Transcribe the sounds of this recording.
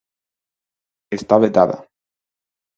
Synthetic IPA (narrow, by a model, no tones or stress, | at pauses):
est̪aβet̪aða̰